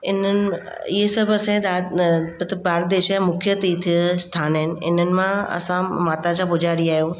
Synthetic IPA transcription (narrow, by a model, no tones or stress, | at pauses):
ɪnənɪ̆ | ɪɦesɐbʱɐsãd̪aːbt̪ʰbaːɾd̪eːʃjamʊkʰjət̪it̪ʰist̪ʰaːnəɦɪnɪ̆ɪ̰n̤ənɪ̆mãɐ̰sãmaːt̪ad͡ʑãːbʊd͡ʑʱaːɾiaːɦijoː